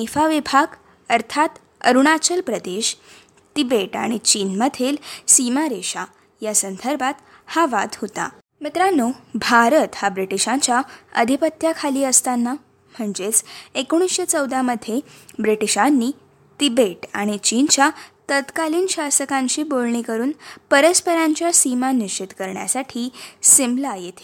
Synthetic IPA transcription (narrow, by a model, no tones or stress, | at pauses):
efaʋibʱaɡ | əɾt̪ʰat̪ | ə̰ɾuɽ̃at͡ɕəlpɾəd̪eɕ | t̪ibeʈa̰ɽ̃it͡ɕiːnməd̪ʱelsimaɾeɕa | jasənd̪ʱəɾbʱat̪ | haʋad̪hot̪a̰ | mit̪ɾanːobʱaɾət̪habɾiʈiɕãɲt͡ɕjaə̰d̪ʱipət̪jakʰaliːəst̪anːa | m̤əɳd͡ʑet͡sekoɽ̃isɕet͡səwd̪ʱaməd̪ʱjebɾiʈiɕanːiː | t̪ibeʈa̰ɽ̃it͡ɕint͡ɕjat̪ət̪kaliːnɕasəkãɲt͡ɕiːbolɳikəɾuːnpəɾəspəɾãɲt͡ɕjasimanit͡ɕit̪kəɾɳja̰saʈʰiːsimblajet̪ʰe̥